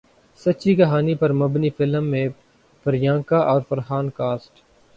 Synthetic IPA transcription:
sɐt͡ʃiːkɐɦaːnipɐɾmɐbniːfɪlmːẽː | pəɾjãːŋkaːʔɔːɾfəɾɦaːnkaːsʈ

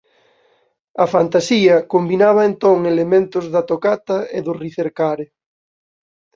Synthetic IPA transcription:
ɐfant̪asiɐkombinaβ̞ɐent̪oŋelemẽnt̪ʊzðɐt̪okat̪ɐeðʊriθeɾkaɾe

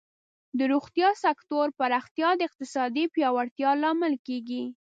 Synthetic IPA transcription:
d̪əɾuxt̪jɑsakt̪oɾpaɾɑxt̪jɑd̪əɪq̚t̪ɪsɑd̪ipjɑwaɽt̪jɑlɑmɪlkeɡi

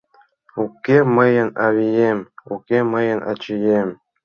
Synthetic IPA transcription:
ukʲːemɤjə̆nɑβʲijemʲukʲemɤjə̆nʔɑ̰t͡ɕijem

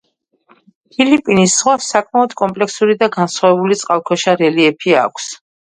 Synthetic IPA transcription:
pʰilipʼinisːʁwasakʼmaɔd̪kʼɔmpʼlɛksuɾid̪aɡansχwavɛbulit̪sʼqʼalˠkʰɔʃaɾɛliɛpʰia̰kʷʰs

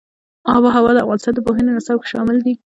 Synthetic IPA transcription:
ɑbɑɦawɑd̪əa̰fɣɑnɪst̪ɑnd̪əpoɦənenasawke̥ʃɑmɪld̪i

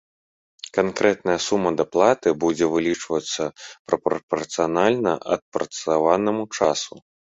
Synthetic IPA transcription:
kankɾʔɛt̪̚nɐjɐsumːɐd̪aplˠat̪ɨbud͡zʲɛvɨlʲit͡ʂvɐt̪sːɐpɾɐpɐpɐrt̪sɨjanalʲnɐʔɐt̪̚pɾɐt̪savanɐmut͡ʂasu

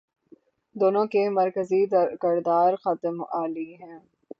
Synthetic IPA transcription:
d̪oːnõkemɐɾkəzikɪɾd̪aːɾxɐt̪əmaːliɦɛ̃ː

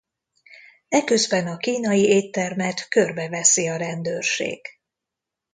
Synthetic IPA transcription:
ɛkø̞zbɛnɒkiːnɒjieːt̪ːɛrmɛt̪kø̞rbɛvɛsiɒɾɛnd̪ørʃḛːɡ̥

